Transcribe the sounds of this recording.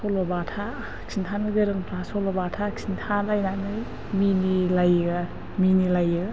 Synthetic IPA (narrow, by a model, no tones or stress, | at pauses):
sɔlɔbatʰa | ksʰintʰanɯɡɯɾɯŋpʰɾasɔlɔbatʰaksʰintʰalajnanɯ | minilaja | minilajɯ